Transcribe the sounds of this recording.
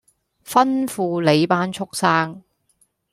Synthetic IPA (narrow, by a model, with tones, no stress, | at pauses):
fɐ˥nfuː˧le˨˧jpaː˥nt͡ʃʰʊ˥k̚saː˥ŋ